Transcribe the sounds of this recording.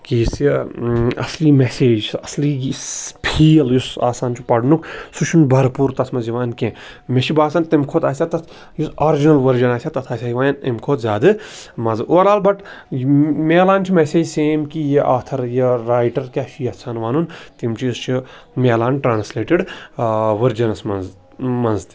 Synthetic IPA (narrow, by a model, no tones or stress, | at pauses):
kiːsjiɐ̰sliːmeseːd͡ʒɐsliːspʰiːljusa̰ːsaːnt͡ʃʰupɐɽnuksut͡ʃʰunbʱɐɾpuɾt̪ɐt̪ʰmɐziʋaːnkẽː | meʃibaːsaːnt̪imkʰoːt̪aːsʲaːt̪ɐt̪ʰ | jusoːɾid͡ʒinɐlʋɐɾd͡ʒɐnaːsʲat̪ɐt̪ʰaːsʲaːiʋaːjɐnemkʰoːt̪ʰzʲaːd̪ɨmɐzɨʔoːɾaːlbɐʈ | meːlaːnt͡ʃʰimɐsʲaiseːmkijiʔaːt̪ʰɐɾjɐɾaːjʈɐɾkʲaʃʰijɐsʰaːnʋaːnunt̪imt͡ʃʰijust͡ʃʰimeːlaːnʈɾaːnsleːʈiɖ | ʋɐɾd͡ʒɐnɐsmɐz | mɐnzt̪i̥